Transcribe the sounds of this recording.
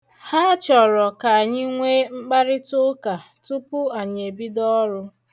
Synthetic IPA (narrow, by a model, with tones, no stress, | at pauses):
ha˦t͡ʃɔ˨ɾɔ˨ka˨a˨ɲɪ˦ŋʷe˦ŋ͡m̩˦k͡pa˦ɾɪ˦tʊ˦ka˨ | tu˦pʊ˦a˨ɲe˨bi˦dɔ˦ɾʊ˦